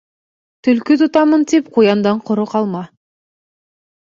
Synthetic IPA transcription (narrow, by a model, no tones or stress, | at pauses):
t̪ʰʏlkʲɪt̪ʰʊt̪ɑmənt̪ʰip̚qʰujɑnd̪ɑɴqʰʊɾuqʰɑlˠmɑ